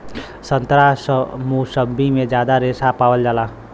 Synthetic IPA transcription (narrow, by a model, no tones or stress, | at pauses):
sə̃nt̪ɾasmusəbimẽd͡ʒjaːd̪aɾeːsapaːwəld͡ʒaːlaː